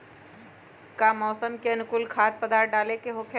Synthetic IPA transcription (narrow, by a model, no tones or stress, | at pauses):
kamɔːsəmkeɐnʊkʊlkʰaːt̪̚pəd̪aːʈ̚ɖaːlekeɦoːkʰ